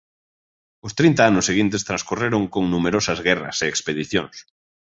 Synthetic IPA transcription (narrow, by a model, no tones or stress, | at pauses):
ʊst̪ɾint̪aanʊsːeɣint̪̬est̪ɾãnskureɾʊŋkoŋnumeɾosɐzɣɛrɐ̰seekspeðiθjoŋs